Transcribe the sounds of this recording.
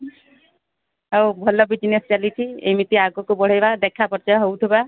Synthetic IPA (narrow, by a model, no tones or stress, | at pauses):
ɦawbʱɔlɔbid͡ʒnesɔt͡ʃalit͡ʃʰiḛmit̪iaɡɔkubɔɽ̤ajbad̪ekʰapɔɾt͡ʃaɦowt̪ʰiba